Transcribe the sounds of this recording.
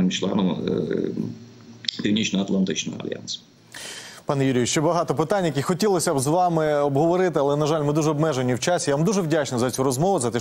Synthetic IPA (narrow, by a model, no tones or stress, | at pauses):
ɪmt͡ʃlˠɛ̰nɔm | pʲiwnʲit͡ʃnɔɐt̪lˠɐnt̪ɪt͡ʃnɔ̰ɔɐ̰lʲja̰ns | pɑnjuɾʲiʋʲiʃt͡ʃɛbɐɦɑt̪ɔpɪt̪anʲjɐkixɔtʲilˠɔsʲɐbzʋɑmɪɔbɦɔʋɔɾɪt̪ɪɐlˠɛnɐʒɑlʲmɪd̪uʒɛɔbmɛʒenʲiwt͡ʃasʲijaʋamd̪uʒɛwdʲat͡ʃnɔzɐt͡sʲuɾɔzmɔʋʊzɐt̪ɛ